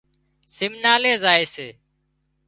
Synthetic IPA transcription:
sɪmnaːleːzaːeːseː

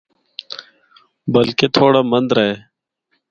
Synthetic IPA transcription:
bəlkeːt̪ʰoːɽaːmənd̪ɾəɦeː

